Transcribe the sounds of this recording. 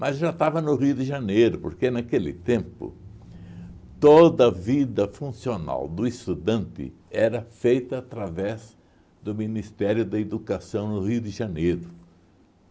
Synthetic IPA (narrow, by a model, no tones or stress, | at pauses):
mɐzʒat̪avɐnʊɦiʊd̪ɪʒanejɾʊpoɾkenakelɪ̰t̪ẽmpʊ̰ | t̪od̪ɐɐvid̪ɐfũsiona̰wd̪ʊɪst̪ud̪ɐ̃nt̪ɪ̰ɛɾɐfejt̪ɐːt̪ɾavɛz | d̪ʊminist̪ɛɾjʊd̪ɐed̪ukasɐ̃w̃nʊhiʊd̪ɪʒanejɾʊ